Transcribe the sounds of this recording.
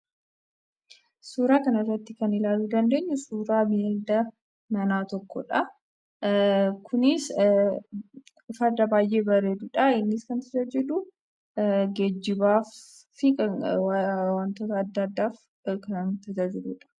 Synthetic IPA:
suːɾaːkɐnɐɪrːɐt̪ːɪkɐnɪlaːluːd̪ɐnd̪e̞ːɲːʊsuːɾaːbild̪ɐ | nɐnaːt̪ɔkːɔᶑɐ | kʰʊnɪs | fɐd̪ɐbaːjʔe̞ːbɐɾeːd̪uᶑɐɪnːɪskɐnt̪ɐt̪ɐd͡ʒɛᶑʊ | ɡɛd͡ʒːɪbaːf | ɪkɐwwɐnt̪oːt̪ɐːd̪ːɐːd̪ːaːf | kɐnt̪ɐt̪ɐd͡ʒɛᶑuᶑɐ̥

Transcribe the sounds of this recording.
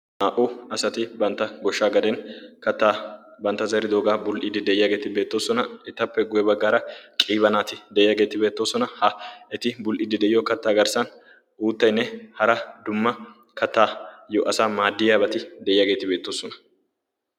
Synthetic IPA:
naːʔʊɐsɐt̪ɪbɐnt̪ːɐɡɔʃːaːɡɐd̪ɛnkɐt̪ːaːbɐnt̪ːɐzɐɾɪd̪oːɡaːbʊlʔɪd̪ɪd̪ɛjɪjaɡe̞ːt̪ɪbe̞ːt̪ːo̞ːsɔnɐɛt̪ːɐpːɛɡʊjɛbɐɡːaːɾɐkʼiːβɐnaːt̪ɪd̪ɛʔjaːɡe̞ːt̪ɪbe̞ːt̪ːo̞ːsɔnɐhɐɛt̪ɪbʊlʔɪd̪ɪd̪ɛjɪjɔkɐt̪ːaːɡɐɾsɐn | uːt̪ːɐjnːɛhɐɾɐd̪ʊmːɐ | kɐt̪ːaːjɔʔɐsaːmaːd̪ːɪjaːbɐt̪ɪd̪ɛʔɪjaɡe̞ːt̪ɪbe̞ːt̪ːo̞ːsɔnɐ̥

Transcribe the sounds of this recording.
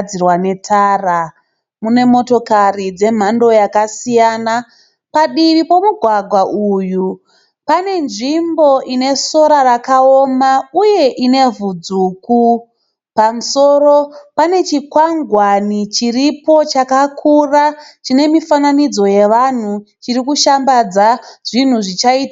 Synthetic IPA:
irwane̞tʰaːra | mune̞mo̞to̞karid͡ze̞m̤ando̞jakasijaːna | paɗiʋipo̞muɡʱwaɡʱwaʔuju | pane̞nʐimbo̞ʔine̞so̞ɾaɾakaomauje̞ʔine̞vud͡zuːku | pamuso̞ro̞pane̞t͡ʃikwaŋɡwanit͡ʃiripo̞t͡ʃakakʰurat͡ʃine̞mifananid͡zo̞je̞ʋan̤ut͡ʃirikuʃambad͡zaʐ̥in̤uʐit͡ʃaiːta

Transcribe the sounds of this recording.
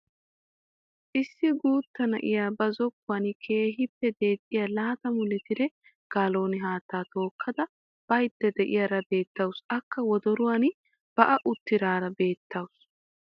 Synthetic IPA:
ʔɪsːɪɡuːt̪ːɐnɐʔɪ̰jaːbɐzɔkːʊwɐnkʰe̞ːɦɪpːɛd̪e̞ːt̪ʼːɪjalaːt̪ɐmʊlɪt̪ɪd̪ɛ | ɡ̥aːlo̞ːnɪɦaːt̪ːaːt̪o̞ːkʰːɐd̪ɐ | b̥ɐjd̪ːɛd̪ɛʔɪ̰jaɾɐbe̞ːt̪ːɐwsʔɐkːɐwɔd̪ɔɾʊwan | b̥ɐʔɐʔʊt̪ːɪɾaːɾɐbe̞ːt̪ːɐwʊs

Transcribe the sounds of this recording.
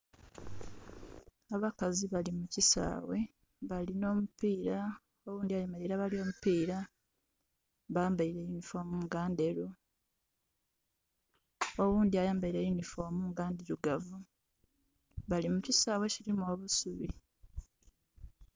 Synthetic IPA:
aβakaziβalimucisa̰ːwe̞ | βalino̞ːmupiːɾa | owuːndiajambajiɾaβalio̞ːmupiːɾa | βajaːmbajiɾe̞junifo̞ːmuŋɡaːndeɾu | o̞wuːnd̪iajaːmbajiɾejunifo̞ːmuŋɡaːndeɾuɡavu | βalimucisaːwe̞ciɾimoːβusuβi

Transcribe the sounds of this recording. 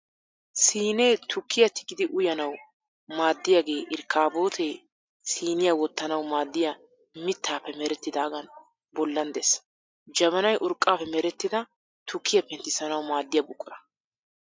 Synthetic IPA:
siːneːt̪ʰʊkʰːɪjɐt̪ɪɡʼɪd̪ɪʔʊjɐnɐw | maːd̪ːɪjaɡe̞ːʔɪɾkʰːaːbo̞ːt̪ʰeː | siːnɪjawɔt̪ːɐnɐwmaːd̪ːɪja | mɪt̪ʰːaːpːɛmɛɾɛt̪ːɪd̪aːɡɐn | bɔlːɐnd̪ɛsɐ̥ | d͡ʒɐβɐnɐjʔʊɾkʼːaːpːɛmɛɾɛt̪ːɪd̪ɐ | t̪ʊkʰːɪjɐpɛnt̪ːɪsɐnɐwmaːd̪ːɪjɐbʊkʼːʊɾɐ

